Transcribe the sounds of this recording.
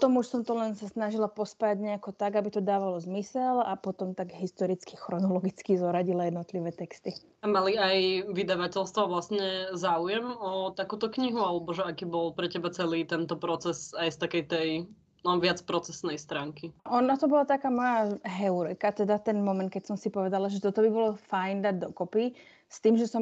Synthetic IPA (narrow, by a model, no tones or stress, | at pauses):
pt̪ɔmuʃsɔmt̪ɔlɛnsasnaʒilapɔspajaɟɲɛakɔt̪aɡabit̪ɔd̪aːʋalɔzmisɛlapɔt̪ɔmt̪aɡɦist̪ɔɾit͡skixɾɔnɔlɔɡit͡skizɔɾaɟilajɛd̪nɔt̪liʋɛːt̪ɛkst̪i | amaliajʋid̪aʋacɛlst̪ʋaʋlasɲɛzaːujɛmɔt̪akuːt̪ɔkɲiɦualɛbɔʒɛakiːbɔlpɾɛcɛbat͡sɛliːt̪ɛnt̪ɔpɾɔt͡sɛsajst̪akɛjt̪ɛj | nɔʋɪat͡spɾɔt͡sɛsnɛjst̪ɾaːŋkiʔɔnat̪ɔbɔlat̪akaːmɔjaɦɛuɾɛkat̪ɛd̪at̪ɛnmɔmɛnt̪kɛcsɔmsipɔʋɛd̪alaʒɛt̪ɔt̪ɔbibɔlɔfajnd̪aɟd̪ɔkɔpi | st̪iːmʒɛsɔm